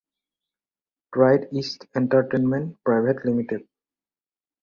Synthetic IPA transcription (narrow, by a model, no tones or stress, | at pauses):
ʈɾajɖisʈẽɳʈəɾʈenmẽɳʈ̚pɾajbʱeʈlimiʈeɖ̚